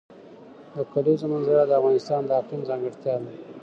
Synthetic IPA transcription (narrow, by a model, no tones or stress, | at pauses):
d̪əkalezomanzaɽad̪əavɣɑnɪst̪ɑnd̪əɑqinzɑŋɡɪɽt̪jɑna